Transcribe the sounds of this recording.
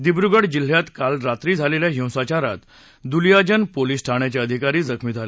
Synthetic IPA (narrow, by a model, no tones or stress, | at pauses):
d̪ibɾuɡəɽd͡ʑil̤jat̪kalɾat̪ɾiːd͡zʱaleljaɦĩw̃sat͡ɕaɾa̰t̪ | d̪uljad͡ʑənpoliːsʈʰaɳ̃jat͡ɕaəd̪ʱikaɾiːd͡zəkʰmid͡zʱale